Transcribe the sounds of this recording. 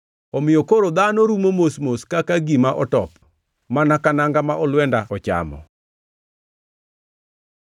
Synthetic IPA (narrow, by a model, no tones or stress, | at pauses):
ɔmɪjɔkoɾod̪anoɾumomosmoskakaɡimaʔɔtɔp | manakanaŋɡamaʔɔlwɛndaɔt͡ʃa̰mɔ̰